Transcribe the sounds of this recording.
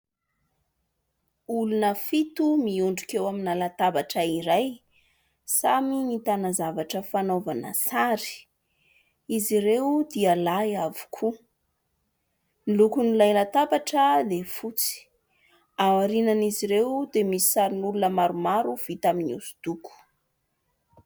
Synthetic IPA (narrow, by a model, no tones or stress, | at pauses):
ulunəfit̪umiuɳɖ͡ʐukewaminalat̪abaʈ͡ʂəiɾaj | saminit̪anazavaʈ͡ʂəfanovanə̰saɾi̥ | iziɾewd̪ialajavu̥kʰu | nilukunilajlat̪abaʈ͡ʂəd̪efut͡si̥ | awaɾinaniziɾewd̪emisi̥saɾinulunəmaɾumaɾuv̥it̪aminṵsu̥d̪̥uku̥